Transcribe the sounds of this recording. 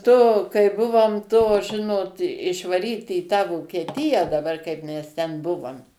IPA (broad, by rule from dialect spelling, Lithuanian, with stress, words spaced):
toː kɐɪ ˈbʊʋoːm toː ˈʒʲɪnoːt ɪʃʋɐˈrʲiːtʲɪ iː tɑː ʋoːkʲiɛˈtʲɪjæː dɐˈbɐr kɐɪp ˈmʲɛs ˈtʲɛn ˈbʊʋoːm